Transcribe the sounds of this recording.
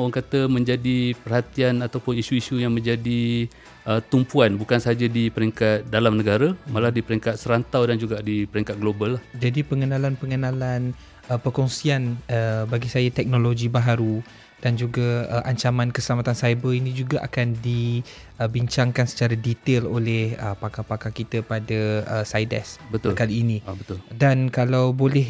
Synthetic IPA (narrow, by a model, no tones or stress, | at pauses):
aaŋkat̪əmə̃ɲd͡ʒadipərhat̪ianat̪awpʊnisuisujaŋmə̃ɲd͡ʒadi | ʔət̪umpuanbukansaɦad͡ʒadipəɾiŋkat̪̚dalamnəɡaɾamalahdipəɾɛŋkat̪̚səɾant̪awdand͡ʒuɡadipəɾɛŋkat̪̚ɡlobalːahd͡ʒadipəŋənãlanpəŋənalan | əpərkɔŋsianəbaɡisajat̪ɛk̚noloɡibaɦaɾu | d̥and͡ʒuɡaəʔaɲt͡ʃamãnkəsəlamat̪ansajbəinĩd͡ʒuɡaʔa̰kandi | əbiɲt͡ʃaŋkansə̥t͡ʃaɾadit̪elo̰lɛhəpakapakakit̪əpadaəsajdɛ̰sbət̪ʊlkaliːnĩbət̪ʊldankalawbolɛh